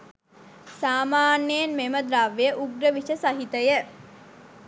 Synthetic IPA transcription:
saːmaːnjejnmeməd̪ɾaʋːejəʔuɡɾəʋiʃəsaɦit̪əjə

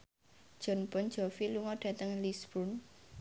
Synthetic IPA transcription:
ʒ̥ɔ̤npɔn̥d͡ʒ̥ɔfiluŋɔɖ̥ä̤t̪əŋlisbun

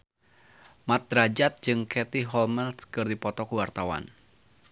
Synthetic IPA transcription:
mat̪̚dɾad͡ʒat̪̚d͡ʒɨŋkʰɛt̪iɦɔlmanskɨrdipɔt̪ɔkuwart̪awa̰n

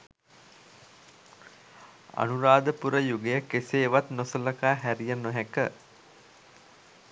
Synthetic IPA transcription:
a̰nuɾaːd̪əpuɾəjuɡejəkeseːʋat̪nosələkaːɦæɾijənoɦækə

